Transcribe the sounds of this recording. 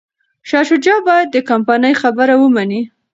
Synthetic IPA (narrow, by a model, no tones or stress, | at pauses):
ʃɑʃʊd͡ʒɑbɑjad̪̚ːəkampanəjxabəɾawəmani